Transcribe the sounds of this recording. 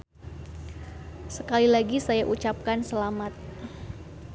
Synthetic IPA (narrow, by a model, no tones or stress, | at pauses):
səkalilaɡisajaʔut͡ʃap̚kansəlamat̪̚